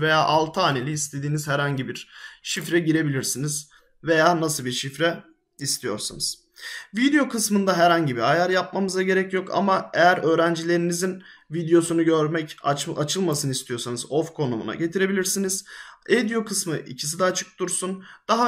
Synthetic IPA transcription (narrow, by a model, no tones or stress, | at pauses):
ve̞jaːʔalˠt̪ʰɯaːnelʲiːst̪ʰe̞d̪iːniz̥hæɾhaɲɟibiɾ̥ʃifɾɛɟiɾe̞bilʲiɾsiniz̥ | ve̞jaːnasɯlˠbiɾʃifɾɛ | ist̪ʰijo̞̰ɾsa̰nɯz̥ | vid̪ejo̞kʰɯsmɯnd̪aɦæɾhaɲɟibiɾajaɾjap̚mamɯzaɟe̞ɾɛcjo̞kʰa̰maejæɾø̞ːɾænd͡ʒilʲe̞ɾinizinvid̪ejo̞sunuɟøɾmɛcat͡ʃʰɯlˠmasɯnɯist̪ʰijo̞ɾsanɯzo̞fkʰo̞numṵa̰ɟe̞t̪ʰiɾe̞bilʲiɾsiniz̥ed̪ijo̞kʰɯsmɯʔḭcʰi̥s̬id̪ɛːt͡ʃʰɯ̥k̚t̪uɾsund̪̥aɦa